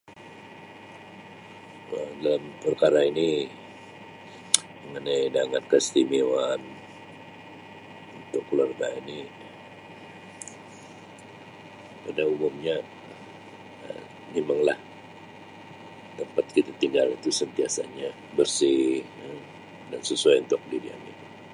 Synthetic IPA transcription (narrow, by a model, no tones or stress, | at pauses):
ədalampərkaɾaini | məŋənajdaŋankəst̪imewan | unt̪ʊkːəluarɡaini | udaumʊmɲa | ə̰ | ɲimaŋlah | t̪əmpat̪̚kit̪at̪iŋɡalit̪usənt̪iasa̰ɲa | bərsi | dansəsuajunt̪ʊk̚didia̰mini